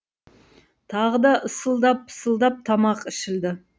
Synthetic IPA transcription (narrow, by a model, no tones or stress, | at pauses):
t̪ʰɑʁəd̪ɑʔəsəlˠd̪ɑp̚ə̥səlˠd̪ɑp̚t̪ʰɑmɑqɪʃɪld̪ɪ